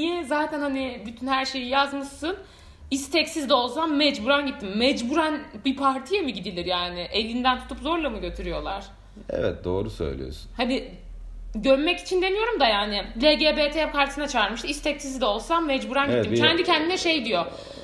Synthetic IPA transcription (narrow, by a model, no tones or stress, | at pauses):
nijɛzaːt̪ʰænhanɪbyt̪ʰynhæɾʃe̞jijazmɯʃsɯn | ist̪ʰɛcsizd̪ɛo̞lˠsammɛd͡ʒbuɾanɟit̪ʰːimːɛd͡ʒbuɾanbipʰaɾt̪ʰijemiɟid̪ilʲiɾjaːnɪʔe̞lʲind̪ænt̪ʰu̥t̪ʰupzoɾlˠamɯɟø̞t̪ʰyɾyjo̞lˠa̰ɾ̥ | ɛ̰vɛ̰t̪̚d̪o̞ːɾusø̰jlʲḭjo̰ɾsnhanɪ | ɟøɾmɛci̥t͡ʃʰind̪e̞nijo̞ɾumd̪ajaːnɪlʲeɟeːbeːt̪ʰejakʰaɾt̪sɯnat͡ʃʰaːɾmɯʃt̪ɯist̪ʰɛcsizd̪ɛo̞lˠsamːɛd͡ʒbuɾanɟittːimcʲʰɛnd̪icʰɛnd̪inɛʃejd̪ijo̞